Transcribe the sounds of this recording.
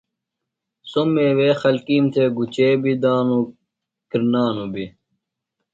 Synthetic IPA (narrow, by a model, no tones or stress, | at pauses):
somːeːweːxɐlkiːmt̪ʰeːɡut͡ɕeːbid̪aːnu | kiɾnaːnubi